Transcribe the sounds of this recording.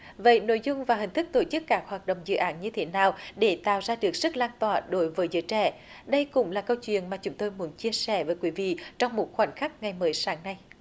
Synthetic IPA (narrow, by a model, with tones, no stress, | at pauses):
və̰˧˨jno̰˧˥jzʊ˧ŋ͡mvaː˨˩ɦï˨˩ŋ̟t̪ɨ˦˥k̚t̪o˧˩t͡ɕɨ˦˥kːaː˦˥k̚hwaː˨˩t̚ɗo̰˧˨wŋ͡mzɨ̰˧˨ʔaː˨˦nɲɨ˧t̪ʰe˨˦naː˨˩wɗe˧˩t̪a̰ː˧˨wzaː˧ɗɨ˨˩ək̚zɨ˦˥k̚laː˧nt̪waː˧˨˩ɗo˨˦jvəː˨˦jzɨ̰˧˦t͡ɕɛ˧˩ | ɗə˧jkʊ̰˧˥ŋ͡mlaː˨˩kə˧wt͡ɕwḭ˧˨ənmaː˨˩t͡ɕʊ˨˦ŋ͡mt̪o˧jmu˨˦nt͡ɕi˧əsɛ˧˩vəː˨˦jkwi˨˦vḭ˧˨t͡ɕɔ˧wŋ͡mmo˨˩t̚xwa˨˧˩jnxa˦˥k̚ŋa˨˩jməː˨˦jsaː˨˦ŋna˧j